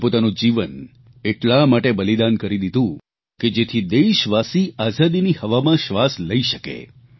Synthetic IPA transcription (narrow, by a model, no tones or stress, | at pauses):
pot̪anũd͡ʒiʋən | eʈlamaʈebəlid̪ankəɾid̪id̪ʱũ | ked͡ʒet̪ʰid̪eʃʋasiazad̪inihəʋamãʃʋasləiʃəkḛ